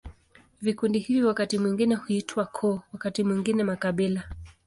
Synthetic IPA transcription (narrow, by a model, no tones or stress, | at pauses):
vikundihiviwakatimwiŋɡinɛhuitwakʰɔwakatimwiŋɡinɛmakaɓila